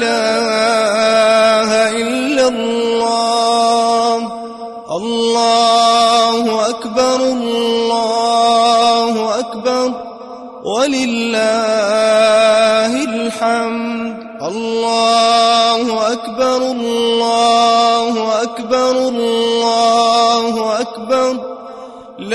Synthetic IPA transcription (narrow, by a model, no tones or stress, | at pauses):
aː | hʔɪllːalːaː | h | ʔɑlːɑː | hʊʔakbɑɾˤllːɑː | hʊʔakbɑɾˤ | walɪlːaː | hɪlħamd̪ | ʔɑlːɑːhʊʔakbɑɾˤːɑːhʊʔakbɑɾˤlːɑːhʊʔakbɑɾˤ | l